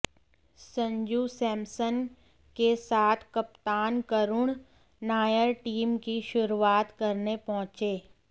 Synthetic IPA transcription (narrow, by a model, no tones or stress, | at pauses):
sə̃ɲd͡ʒusɛːmsən | kesaːt̪ʰkɐpt̪aːnkəɾʊɳ̃ | naːjəɾʈiːmkiʃʊɾuaːt̪kɐɾnepɔɦʊ̃t͡ʃeː